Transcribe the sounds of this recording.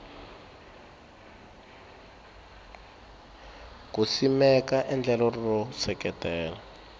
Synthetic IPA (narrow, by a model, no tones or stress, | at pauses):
kusimɛkaʔɛnd͡ɮɛlɔrrɔsɛkɛtɛːla